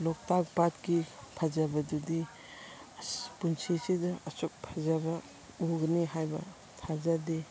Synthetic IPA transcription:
lɔk̚tak̚batkipʰazabɐdudi | punsisidɐɐsuk̚pʰazabɐ | uɡɐniɦajbɐ̰ | tʰazadi

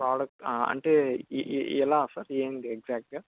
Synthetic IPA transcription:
pɾaːɽɐk̚ʈːɐ̰ɳʈe | ɛlːaːsaɾeːnd̪eeɡzaːk̚ʈ̚ɡa

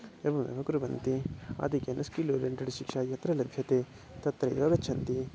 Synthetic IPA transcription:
ebɐmɐ̰bɐkuɾuʋɐnt̪ia̰ːd̪ikɐnʔɐskiloːɖɐɳʈɐɽiʃikʂaːjɐt̪ɾɐlɐbʱjɐt̪eː | t̪ɐt̪ːɾɐjoːɡɐt͡ʃʰɐnt̪i

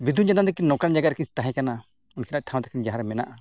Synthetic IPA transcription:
bid̪ʱund͡ʒant̪ad̪ɛkinɔkand͡ʒaɡaɾkist̪aɦɛ̃kana | unkʰɛnaʔʈʰãw̃t̪ɛkʰand͡ʒaɦaɾɛmɛna̰ʔa

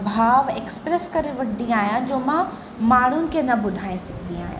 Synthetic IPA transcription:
bʱaːʋekspɾeskɐɾeʋɐɖːiaːjãd͡ʒoːmã | maːɽʊnkenɐbʊd̪ʱaːẽsɪkʰd̪ia̰ːjã̰

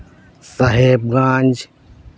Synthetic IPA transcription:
sɐɦeːb̚ɡãːnʲd͡ʒ

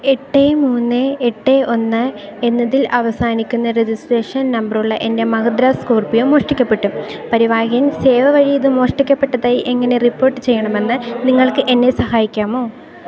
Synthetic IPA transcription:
eʈːemuːnːɨeʈːeʔo̞nːɨenːɐðilʔɐʋɐsaːnikʲːunːɐɾed͡ʑisʈre̞ːʂɐnnɐmbɐruɭːɐʔe̞nde̞mɐɡɐd̪ɾaːskoːrpijomːo̞ːʂʈikʲːɐpːe̞ʈːupɐɾiʋaːɡijɐmseːʋɐʋɐɻijɐðɨmo̞ːʂʈikʲːɐpːeʈːɐðaːjiʔeŋːɐne̞ripːo̞ːrʈːɨt͡ɕe̞jːɐɳɐme̞nːɨniŋːɐɭkɨʔe̞nːesɐɦaːjikʲːaːmo̞ː

